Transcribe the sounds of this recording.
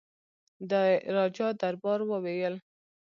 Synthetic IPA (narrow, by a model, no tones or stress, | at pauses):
d̪əɾɑd͡ʒɑd̪aɾbɑɾwəwejəl